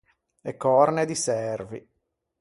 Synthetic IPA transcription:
ekːɔrned̪isɛrvḭ

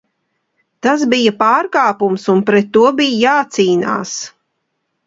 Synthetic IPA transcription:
t̪as̬bijɐpaːɾkaːpumsunpɾɛt̪ːuɔbijjaːt̪siːna̰ːs

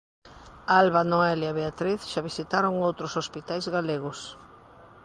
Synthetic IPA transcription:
alβanoɛljaβeat̪ɾiθʃaβisit̪aɾoŋowt̪ɾosospit̪ajzɣaleɣʊs

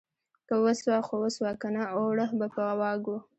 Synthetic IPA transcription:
kawəswaxowəswɑkanaoɽəhbapəɣawɑɡu

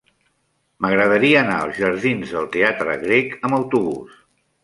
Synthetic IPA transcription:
məɣɾəð̞əɾiəːnaəlˠzʒəɾð̞inzðəlˠt̪eat̪ɾə̰ɣɾekəməwt̪uβus

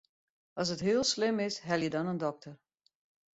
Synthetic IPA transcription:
ɑs̬ətɦɪəlˠslɪmɪsɦɛlˠjədɔnəndɔk̚tʰər

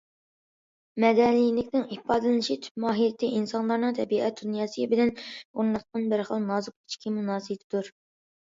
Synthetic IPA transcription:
mɛd̪ɛnilɪkʲnɪŋipɑːd̪ɨlɪnɪʃit̪ʰy̥p̚mɑːɦijɪt̪ʰːɪʔinsɑnlˠɑɾnɨŋt̪ʰɛbiʔɛt̪̚d̪unjɑːsɨjbɪlɛnuɾnɑq̚qɑnbɪɾχəlˠnɑzɨq̚i̥t͡ʃʰkʲʰimunɑːsɨjt̪ʰɪd̪uɾ

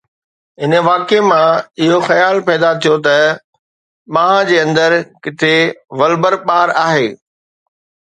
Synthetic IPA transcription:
ɪnə̆ʋaːkemãɪɦoxɐjaːlpɛːd̪at̪ʰijot̪ɐ | mãːɦãd͡ʑeːɐ̃nd̪əɾkɪt̪ʰeʋɐlbəɾɓaːɾaːɦeː

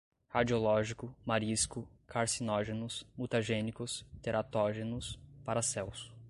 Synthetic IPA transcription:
had͡ʒiolɔʒikʊmaɾiskʊkʰaɾsinɔʒenʊsmut̪aʒẽnikʊst̪eɾat̪ɔʒenʊspaɾasɛwsʊ̥

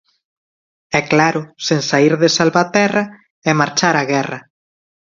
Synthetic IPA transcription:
ɛklaɾʊseŋsaiɾðesalβat̪ɛrɐ | ɛmaɾt͡ʃaɾaɣɛrɐ

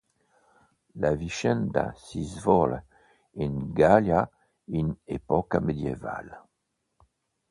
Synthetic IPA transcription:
laviʃɛnd̪a̰sizvɔl | inɡalja | inepɔkamed̪jeva̰l

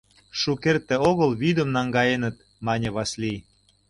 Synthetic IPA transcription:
ʃukert̪ːĕoɣə̆lβyd̪ə̆mnɑŋɡɑjenə̆t̪̚ | mɑnʲĕβɑsli

